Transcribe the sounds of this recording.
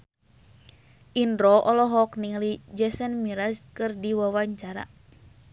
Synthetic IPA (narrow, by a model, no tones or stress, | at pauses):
ʔindɾɔʔɔlɔɦɔkniŋlid͡ʒɛsɛnmiɾaskɨrdiwawaɲt͡ʃaɾa̰